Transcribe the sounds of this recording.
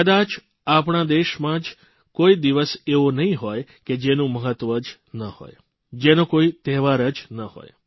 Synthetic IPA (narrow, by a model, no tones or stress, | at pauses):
kəd̪at͡ʃ | apɳad̪eʃmãd͡ʒ | koid̪iʋəseonəɦĩɦojked͡ʒenũməɦət̪ʋəd͡ʒ | nəho̰j | d͡ʒenõkoit̪ɛɦʋaɾəd͡ʒnəho̰j